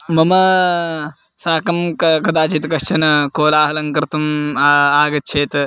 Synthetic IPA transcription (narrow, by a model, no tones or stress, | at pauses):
mɐmɐ | saːkɐmkɐkɐd̪aːt͡ʃit̪kɐʃt͡ʃɐnɐkoːlaːɦɐlɐŋkɐɾt̪umaːɡɐt̪t͡ʃʰeːt̪